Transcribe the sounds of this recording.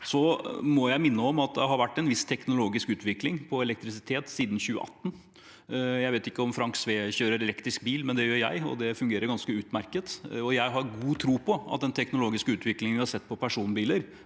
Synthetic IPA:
sɔmɔjæɪmɪnːəɔmɑt̪̚d̪ɛɦɑɾʋæʈːɛnʋɪst̪ʰːɛknʊloːɡɪskʉːt̪ʋɪklɪŋpʰɔɛlɛk̚t̪ɾɪsɪt̪ʰeːt̪siːd̪n̩çʉːə̰ʔɑ̰t̪ːn̩ | jæɪʋeːt̪ɪkːəɔmfɾɑŋksʋeːçøːɾəɾɛlɛkt̪ɾɪsk̚biːlmɛnd̪ɛjøːɾjæ̰ɪɔ̰d̪ɛfʉŋɡeːɾəɾɡɑnskəʉːt̪mæɾkət̪ɔjæɪɦɑɾɡuːt̪ʰɾuːpʰɔɑ̰t̪̚d̪ɛnt̪ʰɛknʊloːɡɪskʉːt̪ʋɪklɪŋənʋɪhɑsɛt̪ːpʰɔpʰæʂuːnbiːləɾ

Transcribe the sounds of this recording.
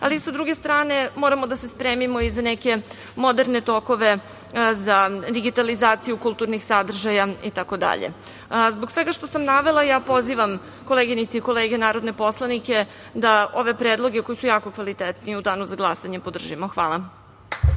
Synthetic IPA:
a̰lisad̪ɾuɡe̞st̪ɾaːne̞mo̞ɾamo̞d̪ase̞spɾeːmimo̞izaneke̞ | mo̞d̪eɾne̞t̪o̞ko̞ʋe̞ | zad̪iɡit̪alizaːt̪sijukulˠt̪uɾnixsad̪r̩ʒajait̪ako̞d̪a̰ʎḛ | zbo̞ɡsʋe̞ɡaʃt̪o̞samnaʋe̞lˠajaːpo̞ziʋam | ko̞leɡinit̪siiko̞leːɡenaːɾo̞d̪ne̞po̞slˠanike̞ | d̪ao̞ʋe̞pɾed̪lˠo̞ɡe̞ko̞jisujaːko̞kʋalit̪et̪niud̪aːnuzaɡlˠasaɲe̞po̞d̪r̩ʒimoxʋa̰ːlˠa

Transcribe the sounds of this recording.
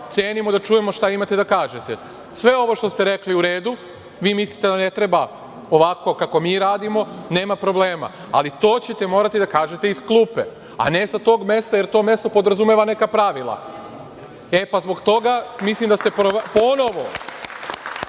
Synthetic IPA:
t̪jeːnimo̞d̪at͡ʃuːjemo̞ʃt̪aimat̪ed̪akaːʒe̞t̪e | sʋe̞o̞ʋo̞ʃt̪o̞st̪eɾe̞kliuɾe̞ːd̪u | ʋiːmislit̪e̞d̪ane̞t̪ɾe̞ba | oʋako̞kako̞miːɾaːd̪imo̞ne̞ːmapɾo̞ble̞ːma̰ | a̰lit̪o̞ːt͡ɕe̞t̪e̞mo̞ːɾat̪id̪akaːʒe̞t̪e̞isklˠupḛ | a̰ne̞sat̪o̞ːɡme̞st̪ajeɾt̪o̞ːmje̞st̪o̞po̞d̪ɾazumjeʋane̞kapɾaʋilˠa̰ | e̞pazbo̞kt̪o̞ɡamislimd̪ast̪epopo̞no̞ʋo̞

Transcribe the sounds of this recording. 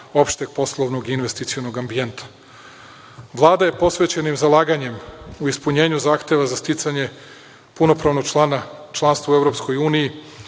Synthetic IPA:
o̞pʃt̪eɡ̚po̞slˠoʋno̞ɡinʋe̞st̪it̪sijo̞noɡambie̞nt̪ʰḁ | ʋlˠaːd̪aje̞po̞sʋe̞t͡ɕe̞nimzalˠaːɡaɲe̞muispuɲe̞ːɲuzaːxt̪e̞ʋazast̪it̪saɲe̞ | puno̞pɾaʋno̞ɡanat͡ʃlˠanst̪vʋauevɾo̞psko̞juːniji

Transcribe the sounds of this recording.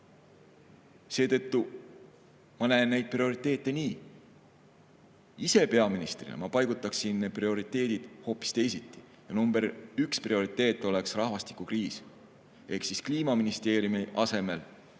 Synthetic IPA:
se̞ːt̪ɤ̞t̪ːu | mɑnæːnːejd̪̥̚prio̞ɾit̪ːˑe̞ːt̪ːˑe̞niː | ise̞pe̞ɑminist̪rḭlḛmɑpɑjɡ̥ut̪ːˑɑksinːeprio̞ɾit̪ːˑe̞ːd̪̥id̪̥ho̞ːpːˑi̥st̪e̞jsit̪ːi̥ | jɑnumbe̞ɾyksprio̞ɾit̪ːˑe̞ːt̪ːˑo̞le̞ksrɑhvɑst̪i̥kˑukriːs | ʔe̞hksiskliːmɑminist̪e̞ːɾjumiʔɑse̞me̞l

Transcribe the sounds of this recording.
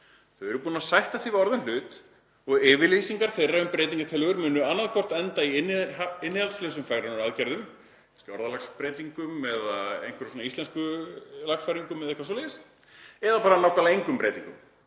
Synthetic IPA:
θœɥɛɾʏpuːnasajht̪asivɪɔɾðʏnl̥ʏːt̪ | ɔɣɪːvɪlisiŋkaɾ̥θejraʏmpɾeːjt̪̬iŋkat̪ʰɪlœɣʏɾmʏːnʏanːaðkʰvɔr̥t̪ɛnt̪aiɪnːɪhalslɛːsʏmfaɣɾanʏɾaðcaɾðʏm | kḁscɪɔɾðalaxspɾeːjt̪iŋkʏmɛðaḛjnkvɪɾsɔnaist̪ɛnskʏlaxsfajɾiŋkʏmːɛðɛhkvasɔleɪɪst̪ | ɛðapaːɾanawkalejŋkʏmpɾeːjt̪iŋkʏ̰m

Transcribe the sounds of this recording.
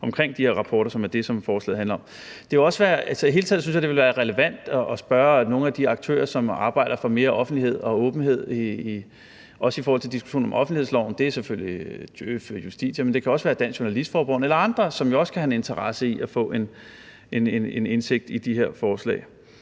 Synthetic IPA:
ɒ̽mkʰʁeŋ̰d̥ihe̝ɐ̰ʁɑ̈pʰɒːɾ̥ɐsɒ̽mæɐd̥e̝sɒ̽mfɒːslɛ̰ːð̩ˠænlɐɒ̽m | d̥eeɒ̽sʋæːɐʔælsɐi̥iɦe̝ːlt͡sʰɛð̰̩ˠsynsjɑ̈d̥eʋelʋæːɐʁɛləʋæn̰d̥ɒʔːsb̥ɶɐno̝ːn̩æd̥iɑ̈ɡ̥̚t͡sʰø̰ːɐsɒ̽mɑ̈ːb̥ɑ̈ɪ̰ɾ̥ɐfɒ̽me̝ːɐʔɒ̽fn̩d̥liɦe̝ð̞̰ˠɒ̽ɔ̽ːb̥n̩he̝ð̞̰ˠ | ʔɒ̽səifɔːhɒl̰t͡sʰe̝ld̥isɡ̥u̥ɕo̰ːnɒ̽mʔɒ̽fn̩̥ihḛslɒʊ̰n̩d̥e̝æseføljid̥øføjusd̥ḭːɕəmend̥e̝kʰæɒ̽sʋæːɐd̥æn̰sɕoɐnælisd̥fɒːb̥ɒn̩elɐɑ̈nd̥ʁɐsɒ̽mjo̝ɒ̽skʰæhæne̝nt͡sʰɐʁɑ̈səiʔæfɔ̰̽ːʔe̝n | e̝nene̝ne̝nse̝ɡ̥̚d̥id̥iɦeɐ̰fɒːslɛ̰ːɪ

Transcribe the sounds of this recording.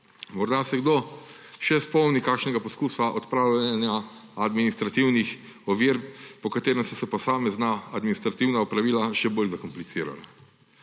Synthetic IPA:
mɔɾd̪asɛɡd̪o | ʃɛspɔwnikaːkʃnɛɡapɔskuːsaʔɔt̪pɾaːwlanjaad̪minist̪ɾat̪iwnix | ɔʋiɾpɔkat̪eːɾɛmsɛsɛpɔsaːmɛznaad̪minist̪ɾat̪iwnaɔpɾaʋiːlaʃɛbolzakɔmplit̪siːɾa̰la̰

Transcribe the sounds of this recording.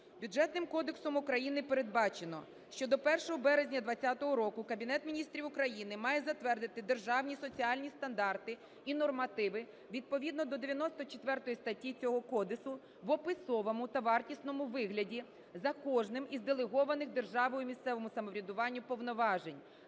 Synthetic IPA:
bʲud͡ʒɛt̪nɪmkɔd̪eksɔmʊkɾɐjinɪpeɾe̞d̪̚bɑt͡ʃenɔ̰ | ʃt͡ʃɔd̪ɔpɛrʃɔɦɔbɛɾezʲnʲɐd̪ʋɐt͡sʲːat̪ɔɦɔɾɔkʊkɐbʲinɛt̪mʲinʲist̪ɾʲiʋʊkɾɐjinɪmɑjɛzɐt̪ʋɛrd̪ɪt̪ɪd̪erʒɑwnʲisɔt͡sʲiɑlʲnʲist̪ɐnd̪ɑrt̪ɪ | inɔrmɐt̪ɪʋɪ | ʋʲid̪̚pɔʋʲid̪nɔd̪ɔd̪eʋʲjɐnɔst̪ɔt͡ʃet̪ʋɛrt̪ɔjist̪ɐtʲːit͡sʲɔɦɔkɔd̪ɪsʊ | ʋɔpɪsɔʋɔmʊt̪ɐʋɑrtʲisnɔmʊʋɪɦlʲɐdʲi | zɐkɔʒnɪmizd̪elˠeɦɔʋɐnɪxd̪e̞rʒɑʋɔjʊmʲist̪sɛʋɔmʊsɐmɔʋɾʲɐd̪ʊʋɑnʲːʊpɔwnɔʋɑʒenʲ

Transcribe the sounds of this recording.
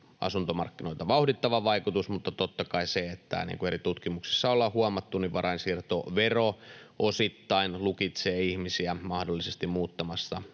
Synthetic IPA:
ʔɑ̰sunt̪omɑrkːinoit̪ɑʋɑuhdit̪ːɑʋɑʋɑikut̪usmut̪ːɑt̪ot̪ːɑkɑiseet̪ːæ̰nḭːŋkuerit̪ut̪kimuksi̥sːɑolːɑhuɑmɑt̪ːuniʋʋɑɾʔɑinsirt̪o̰ʋeroʔosit̪ːɑinlukit̪seːihmisiæmɑhdolːisest̪immuːt̪ːɑmɑsːɑ

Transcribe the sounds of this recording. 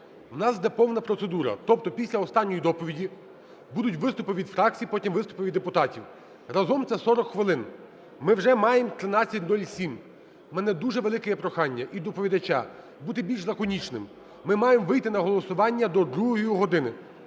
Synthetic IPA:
wnɑsd̪ɛpɔwnɐpɾɔt̪sed̪uɾɐ̰t̪ɔpt̪ɔpʲisʲlʲɐɔst̪ɑnʲːɔjid̪ɔpɔʋʲidʲi | bud̪ʊtʲʋɪst̪ʊpɪʋʲid̪fɾɑk̚t͡sʲijpɔtʲimʋɪst̪ʊ̥pɪʋʲid̪ːepʊt̪ɑtʲiw | rɐzɔmt̪sɛsɔɾɔkxʋɪlˠɪn | mɪwʒɛmɑjemt̪ɾɪnɑt͡sʲːɐt̚ʲnɔlʲsʲim | mɛnɛd̪uʒɛʋelˠɪkejɛpɾɔxɑnʲːɐʔid̪ɔpɔʋʲid̪ɐt͡ʃa̰ | but̪ɪbʲilʲʃlˠɐkɔnʲit͡ʃnɪm | mɪmɑjemʋɪjt̪ɪnɐɦɔlˠɔsʊʋɑnʲːɐd̪ɔd̪ɾuɦɔjjiɦɔd̪ɪnɪ

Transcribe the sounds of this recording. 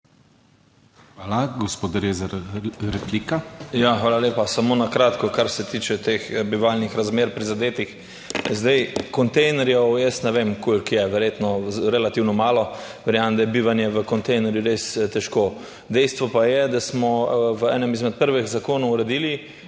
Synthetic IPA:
xʋaːlaɡɔspoːd̪ɾeːzɾɾɛkliːkajaxʋaːlaleːpasamonakɾaːt̪kɔkaɾsɛt̪iːt͡ʃɛt̪exbiʋalnixɾazmeːɾpɾizad̪eːt̪ix | zd̪ɛjkɔnt̪ɛjnɛɾjɛwjəst̪nɛʋeːmkolkjɛʋɛɾjet̪nɔɾɛlat̪iwnɔmaːlɔ | ʋɛɾjamnd̪ajɛbiːʋanjɛʋəkɔnt̪ɛjnɛɾjuɾest̪ɛʃko | d̪ɛjst̪ʋɔpajɛd̪asmɔʋəɛːnɛmizmɛt̪̚pəɾʋɛɣzakoːnoɾɛd̪iːli

